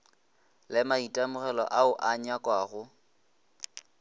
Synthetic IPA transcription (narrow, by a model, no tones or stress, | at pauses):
lɪmaitʼamʊɣɛlɔ̰ʔaʊʔaɲakʼwaːɣʊ